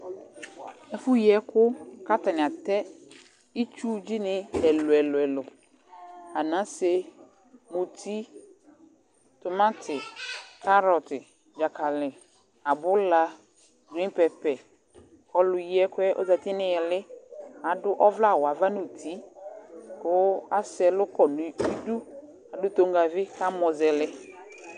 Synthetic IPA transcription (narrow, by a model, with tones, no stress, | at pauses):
ɛ˦fʊ˦ji˨ɛ˦kʰʊ˦ka˦ta˨nɪ̃˨a˨t̪ɛ˦ | i˦t͡ʃu˦d͡ʑi˦nɪ̃˦ɛ˨lʊ˨ɛ˨lʊ˨ɛ˨lʊ˨ | a˨nã˦se˦ | mũ˨tʰi˦ | t̪ʊ˨mã˦tʰɪ˨kʰa˦ɾɔ˨tɪ˨ | d͡ʒa˨kʰa˨lɪ˨ | a˨bʊ˦la˦ | ɡĩ˦pɛ˨pɛ˨ | ɔ˨lʊ˨ji˦ɛ˦kʊ˦ɛ˦ʔo̰˦za˨t̪ɪ˦nɪ̃˦ɛ˨lɪ˦a˨dʊ˦ʔɔ˦vla˦˨wa˨va˦nʊ˦˨tʰi˦ | kʊ˦a˦sɛ˨lʊ˦kɔ˨nʊ̃˨i˦du˦ | a˨dʊ˦t̪o˨ŋɡa˨vɪ˦ka˦mɔ˨zɛ˨lɪ˦